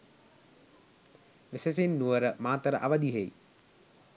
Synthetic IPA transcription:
ʋeses̬enːuʋəɾəmaːt̪əɾəʔaʋad̪iɦej

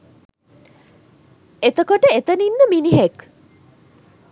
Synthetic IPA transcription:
et̪okoʈəet̪ɐninːəminiɦek

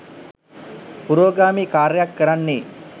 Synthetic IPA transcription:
puɾoːɡaːmiːkaːɾjakːəɾanːe

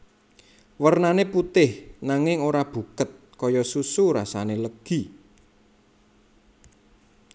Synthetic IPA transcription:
wərnaneput̪ɪhnaŋɪŋoɾab̥ṳkət̪̚kɔjɔsusuɾa̰saneləɡ̥i

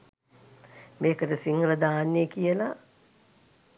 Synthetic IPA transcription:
meːkətəsiŋrəd̪aːnːekijəla

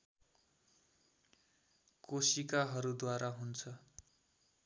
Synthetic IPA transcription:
kosikaɦʌɾud̪waɾaɦunt͡sʰʌ

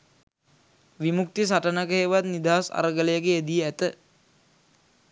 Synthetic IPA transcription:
ʋimuk̚t̪is̬aʈənəkəɦeʋat̪nid̪aːsa̰ɾəɡələjəɡeed̪ijəæt̪ə

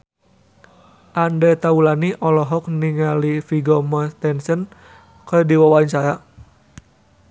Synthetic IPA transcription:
ʔandɛt̪aulaniʔɔlɔɦɔk̚niŋalifiɡɔmɔt̪ɛnsən | kədiwawaint͡ʃaja

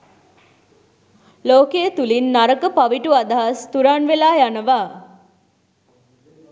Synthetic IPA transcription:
loːkeət̪ulinːaɾəkəpaʋiʈuad̪aɦast̪uɾanʋelaːjanəʋaː

